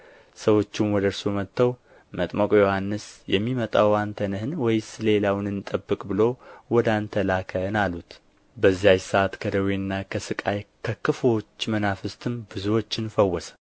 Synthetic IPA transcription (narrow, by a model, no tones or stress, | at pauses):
səwo̞t͡ʃːɪnwɔd̪əɾsumət̪ːəw | mət̪ʼməkʼojo̞hanːɨsjɛmːimət̪ʼawant̪ʰənəhɨnwɔjsɨle̞lawnɨnːɨt̪ʼəbːɨkʼbɨlo̞wɔd̪ant̪ʰəlakʰənalut̪ | bəzːiajsəat̪kʰəd̪əwinːakʰəsɨkʼajkʰəkʰɨfo̞t͡ʃːmənafɨst̪ʰɨmbɨzuwo̞t͡ʃːɨnfəwːɔsə̥